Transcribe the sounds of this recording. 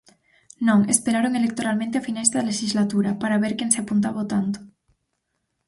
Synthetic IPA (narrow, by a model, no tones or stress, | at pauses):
nõŋespeɾaɾoŋelek̚t̪oɾalmẽnt̪̬eafinajzðaleʃizlat̪uɾapaɾaβeɾkenseapunt̪aβot̪ant̪o̥